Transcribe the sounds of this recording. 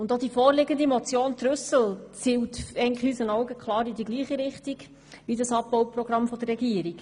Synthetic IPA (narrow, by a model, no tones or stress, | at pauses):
ʊnd̪od̥̪ifɔːɾlɪɡənd̪imɔt͡sjoːnt̪ɾʉsəl̩t͡siːwtɛən̩tləχyːsənɔwɡəkʰχlˠɑːɾidiɡliːχiɾɪχtiɡ | ʋidɑsɑbːɔwprɔɡɾɑmfɔd̥̪ərːɛɡiəɾik